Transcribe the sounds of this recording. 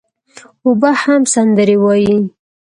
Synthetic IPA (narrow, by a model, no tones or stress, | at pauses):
ʊbahamsand̪əɾewɑji